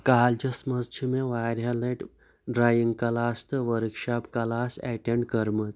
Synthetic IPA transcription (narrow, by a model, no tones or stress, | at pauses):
kaːld͡ʒɐsməst͡ɕʰimeʋajɾjaleʈ | ɖɾajiŋɡkɐlaːst̪əʋəɾkʂapkɐlasɛʈeɳɖkəɾmət̪